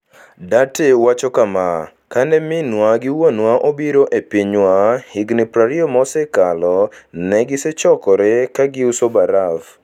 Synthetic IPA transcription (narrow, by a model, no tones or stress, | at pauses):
datewat͡ʃɔkama | kanɛmɪnwaɡɪwonwaʔobiɾoʔepiɲwahiɡnipɾaɾiomɔsɛkalɔnɛɡɪsɛt͡ʃɔkɔɾekaɡɪusobaɾaf